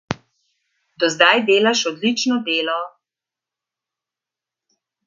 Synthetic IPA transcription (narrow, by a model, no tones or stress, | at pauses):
d̪ɔzd̪ajd̪eːlaʃɔd̪lit͡ʃnɔd̪eːlɔ